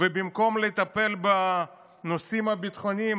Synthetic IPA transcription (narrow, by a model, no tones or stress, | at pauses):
vebimko̞mlet̪ape̞lba | no̞simhabit̪χo̞ni